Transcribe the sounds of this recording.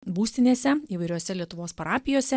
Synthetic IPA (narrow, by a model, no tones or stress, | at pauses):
buːsʲt̪ʲɪnʲeːsʲɛiːʋɐɪɾʲoːsʲɛlʲiɛt̪ʊʋoːspɐɾɑːpʲɪjoːsʲɛ